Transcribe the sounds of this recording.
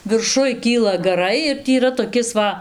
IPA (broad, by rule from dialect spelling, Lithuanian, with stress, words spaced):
ʋʲɪrˈʃʊj ˈkʲiːlˠɐ ɡɐˈrɐɪ ɪr ˈtʲiː iːˈrɐ toːˈkʲɪs ˈʋɐ